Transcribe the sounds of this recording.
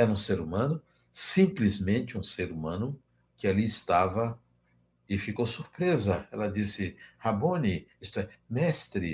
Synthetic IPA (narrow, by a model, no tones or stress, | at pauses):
ɛɾɐũseɾumɐ̃nʊ | sĩmplizmẽnt͡ʃ̪ɪũseɾumɐ̃nʊ | kɪaliɪst̪avɐ | ɪfikowsuɾpɾezɐɛlɐd͡ʒisɪhabõnɪist̪ʊɛmɛst̪ɾɪ